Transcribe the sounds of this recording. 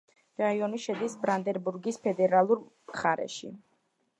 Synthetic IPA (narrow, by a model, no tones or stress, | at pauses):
ɾaiɔniʃɛd̪isbɾand̪ɛɾbuɾɡispʰɛd̪ɛɾalˠuɾmχaɾɛ̰ʃḭ